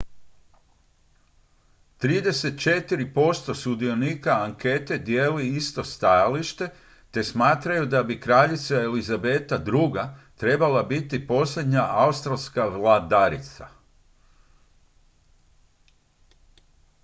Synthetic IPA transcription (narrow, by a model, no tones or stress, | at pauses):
t̪ɾiːd̪e̞se̞t̪̚t͡ʃe̞t̪iɾipo̞st̪o̞sud̪io̞niːkaaŋke̞t̪e̞d̪jeːliist̪o̞st̪ajaliʃt̪e̞ | t̪e̞smaːt̪ɾajud̪abikɾaʎit̪saelizabe̞t̪ad̪ɾuɡat̪ɾe̞balabit̪ipo̞sʎe̞d̪ɲaʔaust̪ɾalskaʋlad̪aɾḭt̪sa̰